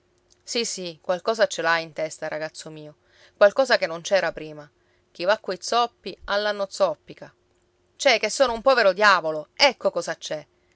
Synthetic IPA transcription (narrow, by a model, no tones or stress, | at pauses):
sisːikwalkɔːzat͡ʃːelaint̪ɛst̪aɾaɡat̪sːomiːo | kwalkɔːzakenːont͡ʃɛːɾapɾiːma | k̟ivakːojt̪sɔpːialːanːot̪sɔpːika | t͡ʃɛkesːoːnoumpɔːveɾod̪jaːvoloɛkːokɔːzat͡ʃːɛ